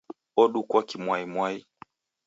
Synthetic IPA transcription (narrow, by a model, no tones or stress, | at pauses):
ɔɗukwakimwaimwai